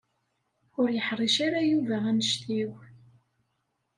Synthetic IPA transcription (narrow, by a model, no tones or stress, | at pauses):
ʊɾjəħrˤiʃaɾajuvæænəʃt̪iw